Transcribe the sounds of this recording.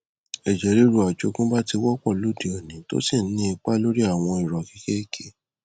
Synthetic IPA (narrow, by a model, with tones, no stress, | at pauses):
ɛ˨d͡ʒe˨ɾi˨˦ɾu˨a˨d͡ʒo˧˦kũ˦ba˦ti˧wɔ˦k͡pɔ˦˨lu˦˨di˨o˨nĩ˨˦to̰˦si˦˨˦nĩ˦i˧k͡pa˦lo˦ɾi˦a˦˨w̃ɔ̃˧i˨ɾɔ˨ki̥˨˧˦ke˦˨kʰe˨˦